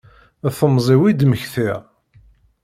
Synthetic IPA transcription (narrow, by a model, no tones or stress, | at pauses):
θəmzˤiwid̪məçθiʁ